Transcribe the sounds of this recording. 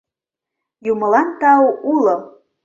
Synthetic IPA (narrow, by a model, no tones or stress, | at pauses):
jumə̆lɑnt̪ɑuʔulo